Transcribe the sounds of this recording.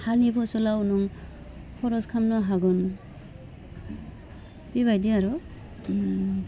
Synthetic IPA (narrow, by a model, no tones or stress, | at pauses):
hanibɔsɔlawunuŋ | kʰɔɾɔskʰamnɔɦaɡɔn | b̥iβajdiaɾɔ